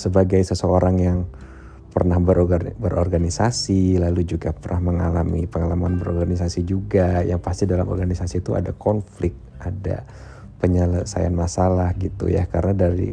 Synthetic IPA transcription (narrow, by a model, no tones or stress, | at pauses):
səbaɡajsəsəoɾaŋjaŋ | pərnahbəɾbəɾɔ̰rɡanisasilalud͡ʒuɡapərnʔahməŋalamḭpəŋalamanbəɾɔrɡanisasid͡ʒuɡajaŋpast̪idalamɔ̰rɡanisasit̪ua̰da̰kɔnflɪk̚t̪̚ʔada̰ | pəɲələsa̰ja̰nmasalahɡit̪ṵja̰karənadaɾḭ